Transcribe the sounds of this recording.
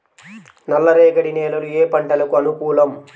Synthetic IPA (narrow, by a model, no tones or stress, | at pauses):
nɐlːɐɾeːɡɐɽineːlɐlueːpɐɳʈɐlɐkuɐnukuːlɐm